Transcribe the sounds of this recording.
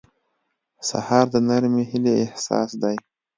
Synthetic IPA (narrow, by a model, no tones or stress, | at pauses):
sa̰hɑɾd̪ənaɾmehɪleːhsɑ̰sd̪aj